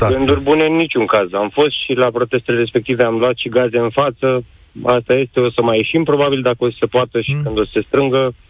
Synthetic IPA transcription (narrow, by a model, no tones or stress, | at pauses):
ɡɨnd̪urʲbune̞nːit͡ʃʲuŋkazamfo̞st̪ʃilapɾo̞t̪e̞st̪eleɾe̞spe̞k̚t̪ive̞amluat̪ʃiɡaze̞ɨnfat̪sə | ast̪aje̞st̪e̞o̞səmajeʃimpɾo̞babild̪akəosə̥se̞poat̪əʃi̥kɨnd̪o̞sse̞st̪ɾɨŋɡə